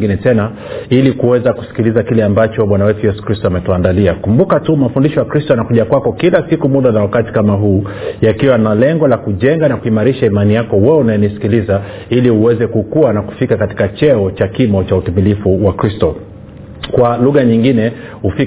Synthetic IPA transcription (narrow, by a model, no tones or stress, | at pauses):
ɡinɛtɛna | ilikuwɛzaku̥si̥kilizakilɛambat͡ʃɔɓwanawɛtujɛsu̥kɾistɔamɛtuandaliakumbukatumafundiʃɔjakɾistɔanakuʄakwakɔkilasikumuɗanawakati̥kamaɦuːjakiwanalɛŋɡɔlakuʄɛŋɡanakuimaɾiʃaimanijakɔwɛunaɛnisi̥kiliza | iliuwɛzɛkukuanaku̥fikakati̥kat͡ʃɛɔt͡ʃakimɔt͡ʃautimilifuwakɾistɔ | kwaluɣaɲiŋɡinɛ | hufi